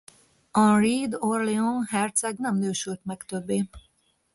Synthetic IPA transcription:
ɒriːd̪orleonhɛrt̪sɛɡnɛmnøːʃylt̪mɛkt̪øbːeː

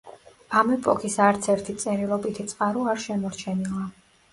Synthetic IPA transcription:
amɛpʼɔkʰisaɾt̪sʰɛɾt̪ʰit̪sʼɛɾilˠɔbit̪ʰit̪sʼqʼaɾuaɾʃɛmɔɾt͡ʃʰɛnilˠa

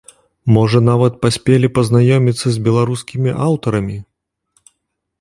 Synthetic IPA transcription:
mɔʐɐnavɐt̪̚pasʲpʲelʲipɐznajɔmʲit̪sːɐzʲbʲɛlˠaɾuskʲimʲiʔawt̪ɐɾɐmʲi

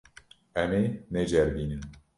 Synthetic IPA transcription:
ɛmenɛd͡ʒɛɾbiːnɨm

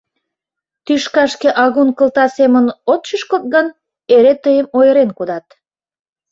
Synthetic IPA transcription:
t̪yʃkɑʃkeʔɑɣunkə̆lt̪ɑsemənot̪t͡ʃəʃkot̪̚ɣən | eɾet̪əjəmojəɾenkud̪ɑt̪

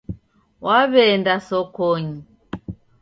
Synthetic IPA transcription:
waβɛndasɔkɔɲi

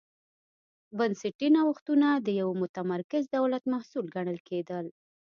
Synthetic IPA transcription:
bansɪʈinawaxt̪unad̪əjawmʊt̪amaɾkɪzd̪awlat̪mahsulɡaɳ̃əlked̪əl

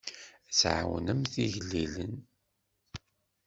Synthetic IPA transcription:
sʕa̰wənəmθiʝlːilə̰n

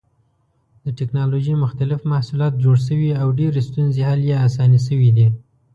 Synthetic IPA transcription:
d̪̥əʈɪknɑloʒimʊxt̪alɪfmahsulɑt̪̚d͡ʒoɽs̬əwiawɖeɾest̪unzehaljeasɑnis̬əwid̪i

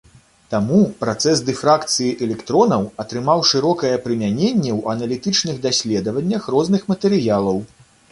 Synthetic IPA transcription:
t̪amupɾat̪sɛsd̪ɨfɾakt̪sɨjiʔɛlʲɛkt̪ɾɔnɐwɐt̪ɾɨmawʂɨɾɔkɐjɛpɾɨmʲanʲenʲːɛwɐnɐlʲit̪ɨt͡ʂnɨɣd̪asʲlʲɛd̪ɐvɐnʲːɐxrɔznɨxmɐt̪ɛɾɨjalˠɐw

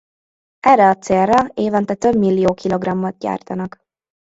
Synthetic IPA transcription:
ɛrːɛɒt̪seːrːɒeːvɒnt̪ɛt̪øbmilːijoːkʰilo̞ɡrɒmːot̪̚ɟa̰ːrt̪ɒnɒk

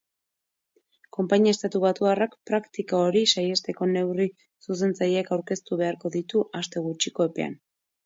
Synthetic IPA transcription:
ko̞mpaɲiaest̪at̪uβat̪uarakpɾakt̪ikaoɾisajest̪e̞ko̞ne̞wri | sus̬e̞nt͡sajekawɾke̞st̪uβe̞aɾko̞ðit̪uʔast̪e̞ɣ̞ut͡ʃiko̞e̞pe̞a̰n

